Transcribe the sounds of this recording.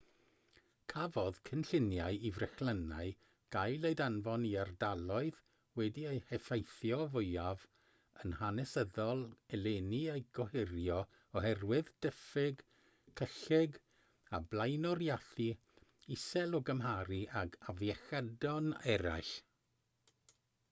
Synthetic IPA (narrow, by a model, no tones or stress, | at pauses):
kʰavɔðkʰənɬɪnjaɨivrɛxləna̰ɨ | ɡ̥ajlˠejdanvɔniardalˠɔɨð | wɛdiejhɛfejθjɔvʊɨav | ənhanɛsəðɔlˠɛleniejɡ̥ɔhɪɾjɔ | ɔɦɛrwɪðd̥əfɪɡ | kʰəɬɪɡ | ablˠajnɔɾjaθi | ɪsɛlˠɔɡəmɦaɾiʔaɡavjɛxədɔnɛɾa̰jɬ